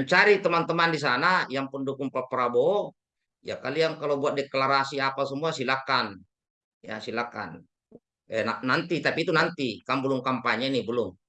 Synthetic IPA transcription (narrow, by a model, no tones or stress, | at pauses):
əɲt͡ʃaɾit̪əmant̪əmandis̬anajaŋpundukuŋpapəɾabo | ja̰ka̰lijaŋkalobuat̪̚dɛklaɾasiapasəmuasilakan | ja̰silaka̰n | ɛnanant̪it̪apiːt̪unant̪ikambəluŋkampaɲanibəlʊŋ